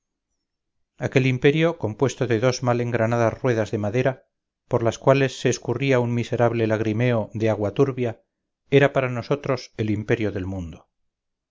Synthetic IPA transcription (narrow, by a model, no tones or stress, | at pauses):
ake̞limpe̞ɾjo̞ko̞mpwe̞st̪o̞ðe̞ðo̞zmale̞ŋɡɾanaðazrwe̞ðazðe̞maðe̞ɾa | po̞ɾlaskwale̞sːe̞ːskuriauŋmise̞ɾaβle̞laɣ̞ɾime̞o̞ðeaɣwat̪uɾβja | e̞ɾapaɾano̞so̞t̪ɾo̞se̞limpe̞ɾjoðe̞lmũnd̪o